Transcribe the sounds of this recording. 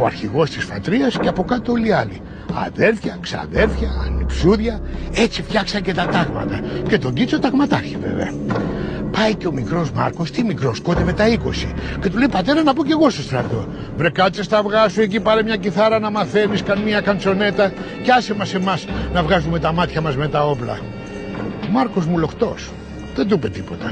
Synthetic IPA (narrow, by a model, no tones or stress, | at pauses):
o̞ɐ̰ɾçiɣo̞st̪isfɐ̰t̪ɾiɐsceɐpo̞kɐt̪oo̞liɐlḭ | ɐ̰ðe̞ɾθçɐksɐ̰ðe̞ɾθçɐ̰ːnḭksuðʝɐe̞t͡sift̪çɐksɐɲce̞t̪ɐt̪ɐɣmɐ̰t̪ɐce̞t̪o̞ɲɟit͡so̞t̪ɐɣmɐt̪ɐɾçivḛvḛɐ̰ | pɐiceo̞mikɾo̞zmɐ̰ɾko̞st̪imikɾo̞skot̪eve̞t̪ɐiko̞̰sḭce̞t̪ulejpɐt̪e̞ɾɐnɐpo̞ce̞ɣo̞st̪ost̪ɾɐ̰t̪o̞̰ | vɾekɐt͡sest̪ɐvɣɐsuec̬ipɐɾemɲɐciθɐɾɐnɐmɐθe̞niskɐnmiɐkɐnt͡so̞ne̞t̪ɐ | ceɐsemɐse̞mɐsnɐvɣɐzume̞t̪ɐmɐt̪çɐmɐzme̞t̪ɐo̞plɐ̰ | mɐɾko̞zmulo̞xt̪o̞̰s | ðet̪upe̞t̪ipo̞t̪ɐ